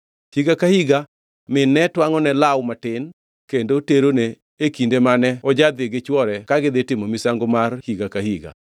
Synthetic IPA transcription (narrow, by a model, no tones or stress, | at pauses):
hiɡakahiɡa | mɪnːɛtwaŋɔnɛlawmatɪn | kendoteɾoneː | kindemanɛɔd͡ʒad̪ɪɡɪt͡ʃwɔɾɛkaɡɪd̪ɪtɪmomisaŋɡomarhiɡakahiɡa̰